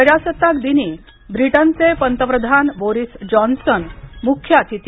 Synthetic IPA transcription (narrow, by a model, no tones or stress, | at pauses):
əɾjasət̪ːakd̪iniː | bɾiʈənt͡sepənt̪əpɾəd̪ʱanboɾisd͡ʑɔnsənmukʰːjat̪ʰit̪